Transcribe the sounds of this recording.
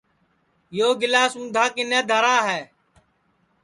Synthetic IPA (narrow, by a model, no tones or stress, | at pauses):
joːɡɪlaːsũːd̪ʱaːkɪneːd̪ʱəɾaːɦɛː